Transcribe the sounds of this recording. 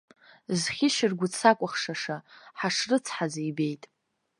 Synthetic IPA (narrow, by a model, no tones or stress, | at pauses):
zχʲɪʃɪrɡʷʊt͡sʰakʷʼʊχʂaʂaħaʂrɨt͡sʰħazaibe̞jtʼ